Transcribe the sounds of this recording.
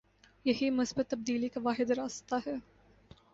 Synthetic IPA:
jɐɦimʊsbət̪ːɐbd̪iːlikaʋaːɦɪd̪ɾaːst̪aɦɛː

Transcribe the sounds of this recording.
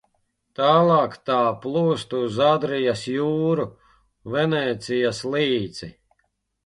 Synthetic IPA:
t̪aːlˠɑːkt̪aːplˠuːst̪uzad̪ɾijasjuːɾu | vɛnɛːt̪sijasliːd̪z̥i

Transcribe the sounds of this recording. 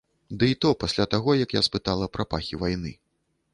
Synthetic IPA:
d̪ɨit̪ɔpasʲlʲat̪aɣɔjɐkja̰spɨt̪alˠɐpɾʔapaxʲivajnɨ

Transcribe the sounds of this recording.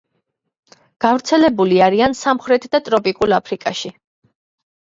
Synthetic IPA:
ɡ̥avɾt̪sʰɛlɛbuliaɾiansamχɾɛt̪ʰd̪at̪ʼɾɔpʼikʼulapʰɾikʼaʃi

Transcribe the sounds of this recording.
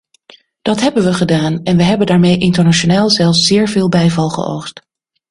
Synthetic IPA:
d̥ɑtɦɛbənʋəχədaːnɛnʋəɦɛbəndaːɹmejʔɪntəɹnaʃonaːlˠzɛlˠfsz̥ɪːɹvɪːlˠbɛjvɑlˠχə̰o̰wχst

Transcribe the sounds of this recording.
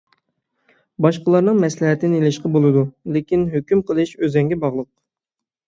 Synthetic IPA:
bɑʃqəlˠɑɾnɨŋmɛslɛɦɛt̪ːɪnelɪʃqɑbolˠɨd̪ulɪkʲinɦøkʲymqʰəlˠɨʃøzɛŋɡʲɛbɑʁlˠəq̚

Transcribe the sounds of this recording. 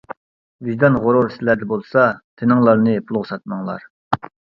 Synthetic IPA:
viʒd̪ɑnʁoɾoɾsɪlæd̪ɛbolˠsɑt̪ʰenɨŋlˠɑɾnɨpʰulˠʁʊsɑt̪̚mɑŋlˠɑ̰ɾ

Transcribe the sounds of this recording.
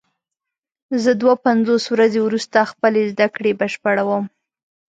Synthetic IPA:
zəd̪wapanzoswɾazewɾust̪axpəlezd̪akɽebəʃpaɽawəm

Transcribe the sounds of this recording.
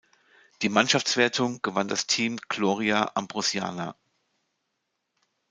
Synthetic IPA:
d̥iːmanʃaft͡sv̥eːɐtʰʊŋɡ̥əvandastʰiːmɡ̥loːʁiaʔambʁʊsja̰ːna

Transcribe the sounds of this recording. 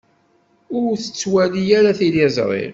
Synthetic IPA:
ʊɾθə̥t͡sːwælijæɾaθilɪzˤɾˤɪ̰l

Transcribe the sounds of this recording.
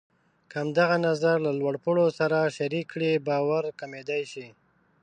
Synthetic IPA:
kəamd̪aɣanazaɾlalwaɽpoɽosaɾaʃaɾikːɽibɑwaɾkamed̪ajʃi

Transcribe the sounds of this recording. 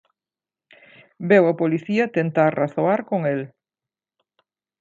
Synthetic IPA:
bewɐpoliθiɐt̪ent̪aɾraθoaɾkoŋel

